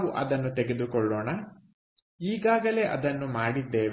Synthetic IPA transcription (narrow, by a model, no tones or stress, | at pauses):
ʋuʔɐd̪ɐnːut̪ɛɡe̞d̪ukɔɭːoːɳɐ | iːɡaːɡɐle̞ːʔɐd̪ɐnːumaːɽid̪ːeːʋ